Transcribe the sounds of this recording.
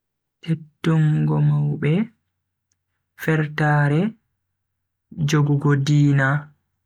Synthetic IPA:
tʰetːuŋɡɔmawɓɛ | fɛɾtaːɾɛ | d͡ʒoɡuɡɔdiːna

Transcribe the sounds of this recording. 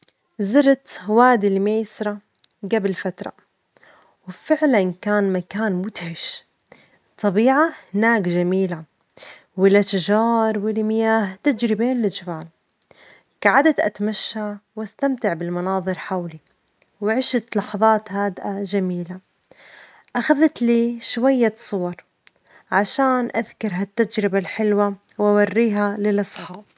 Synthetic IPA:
zɪɾˤt̪waːd̪ilmeːsɾˤɑ | ɡabɪlfat̪ɾˤɑ̰ | wɪfɪʕlankaːnmakaːnmʊt̪ʕɪʃ | t̪ˤːɑbiːʕahɪnaːkʒamiːla | wɪlːat̪aʒɑːɾˤwɪlmɪjaːht̪ad͡ʒɾɪbeːnlɪd͡ʒɪbaːl | kaʕad̪at̪ʔa̰t̪maʃːawʔast̪amt̪ɪʕbɪlmɑnɑːðˤɨɾħawli | wɪʕɪʃat̪lɑħɑðˤɑːt̪haːd̪ʔad͡ʒamiːla | ʔaxaðt̪liːʃwajːasˤʊwɑɾˤ | ʕaʃaːnʔaðkɑɾˤɦat̪ːad͡ʒɾɪbalħɪlwa | wʔawarːiːɦalɪlʔɑsˤħɑːb

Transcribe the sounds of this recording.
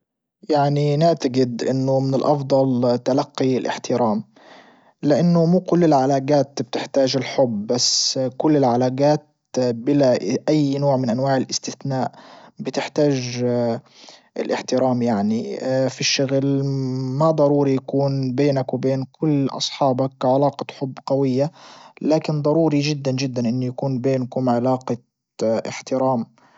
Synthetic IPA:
jaʕninɪʕt̪aɡɪd̪ʔɪnːʊmɪnɪlʔɑfd̪ˤɑlt̪alaqːilʔɪ̰ħt̪ɪɾaːm | lɪʔanːʊmuːkʊlːɪlʕalaːɡaːt̪b̚t̪ɪħt̪aːʒɪlħʊbbaskʊlːɪlʕalaːɡaːt̪̚ | bɪlaʔʔajːnoːʕmɪnʔanwaːʕɪlʔɪst̪ɪθnaːʔbɪt̪ɪħt̪aːʒ | ʔɪ̰lʔɪħt̪ɪɾaːmjaʕnifiʃːʊɣlmad̪ˤɑɾˤuːɾijakuːnbeːnakwɪbeːnkʰʊlːʔɑ̰sˤħɑːbakːʕalaːqɑħʊbːɡawɪjːalaːkɪnd̪ˤɑɾuːɾiʒɪd̪ːand͡ʒɪd̪ːanʔɪnːujakuːnbeːnkʊmʕɪlaːqɑ | ʔɪ̰ħt̪ɪɾaːm

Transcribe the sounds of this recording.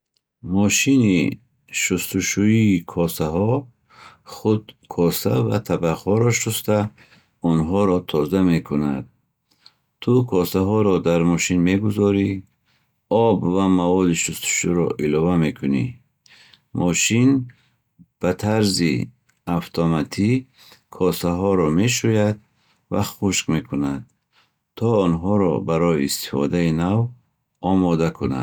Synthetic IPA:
mɔʃinḭ | ʃust̪uʃuiːkʰɔsaɦɔ | χud̪kʰɔsava̰t̪ʰabaʁhɔɾɔʃust̪a | ɔnɦɔɾɔt̪ʰɔzame̞kʰuna̰d̪̚ | t̪ʰukʰɔsaɦɔɾɔd̪aɾmɔʃinme̞ɡuzɔɾi | ɔbvamavɔd̪iʃust̪ʰu̥ʃuɾɔ̰ʔilɔvame̞kʰunḭ | mʔɔʃin | b̥at̪ʰaɾzḭ | aft̪ʰɔmat̪ʰi | kʰɔsaɦɔɾɔme̞ʃ̬ujad̪̚ | va̰χuʃkme̞kʰunad̪̚ | t̪ʰɔːnɦɔɾɔ̰baɾɔjiːst̪i̥fɔ̰d̪ainav | ɔmɔd̪akʰuna̰

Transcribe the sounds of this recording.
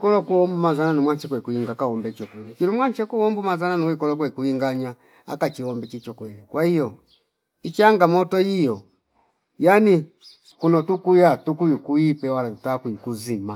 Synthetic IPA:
kɔlɔkuɔmbumazananimwat͡ʃɛkwɛkuiŋɡakaɔmbɛt͡ʃɔkwɛlikiɾumwaɲt͡ʃɛkuɔmbumazananuwikɔlɔk̬wɛikuiŋɡaɲa | a̰kat͡ʃiɔmbɛt͡ʃit͡ʃɔkwɛlikwahijɔ | it͡ʃiaŋɡamɔtɔijɔ | jani | kunɔtukujatukujukuipɛwalautakuikuzima

